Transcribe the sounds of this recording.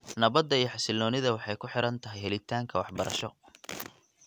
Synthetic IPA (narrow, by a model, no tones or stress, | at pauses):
nɐβɐd̪ːɐijɔħɑsɪlːɔːnɪðɐwɑħɑjkʰʊħɪɾɐnt̪ʰɐɦɛjɦɛlɪt̪ʰaːŋkʰɐwɑħbɐɾʔɐ̰ʃɔ